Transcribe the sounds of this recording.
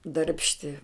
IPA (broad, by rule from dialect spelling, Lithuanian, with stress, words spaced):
dɐrʲpʲʃʲˈtʲɪ